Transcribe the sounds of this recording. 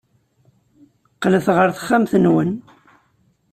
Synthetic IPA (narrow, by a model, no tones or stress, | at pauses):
qləθʁəɾθχːæmθənwən